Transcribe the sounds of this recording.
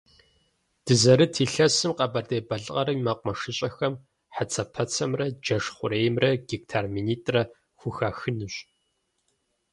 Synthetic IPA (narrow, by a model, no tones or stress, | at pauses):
d̥ɨzɐɾɨtʰiːɬɐsɨmqɐbɐrdeːbɐɮʼqɐɾɐmimaːqʷʊmɐʂɨɕʼɐxɐm | ħat͡sʰɐpʰɐt͡sʰɐmrɐd͡ʒɐʂχʷʊɾeːjmrɐɡ̥ik̚tʰaːrmiːniːtʼrɐ | xʷʊxaːxɨnɨɕʼ